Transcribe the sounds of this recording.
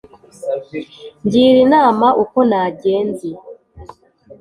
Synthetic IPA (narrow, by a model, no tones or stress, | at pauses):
ɲɟiːɾinaːmaʔuko̞naːɟeːnzi